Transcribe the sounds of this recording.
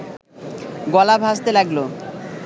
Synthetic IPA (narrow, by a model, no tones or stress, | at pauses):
ɡɔlabʱɦast̪elaɡlo